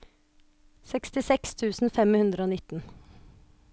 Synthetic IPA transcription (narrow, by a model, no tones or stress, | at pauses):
sɛkst̪ɪsɛkst̪ʰʉːsn̩fɛmhʉnd̪ɾəoːnɪt̪n̩